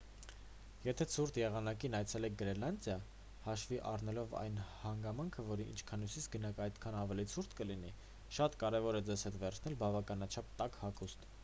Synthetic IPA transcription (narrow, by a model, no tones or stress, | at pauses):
jɛt̪ʰɛt͡sʰuɾt̪ʰjɛʁɑnɑkinɑjt͡sʰɛlɛk̚ʰɡəɾɛlɑnd̪jɑ | hɑʃviʔɑ̰rnɛlɔvɑ̰jnhɑŋɡɑmɑŋkʰəvɔɾiʔḭnt͡ʃʰkʰɑnusit͡sʰɡənɑkɑjt̪kʰɑnɑvɛlit͡sʰuɾt̪kəlini | ʃɑt̪kɑɾɛvɔɾɛd͡zɛzhɛt̪vɛɾt͡sʰnɛlbɑvɑkɑnɑt͡ʃʰɑp̚t̪ɑkhɑkust̪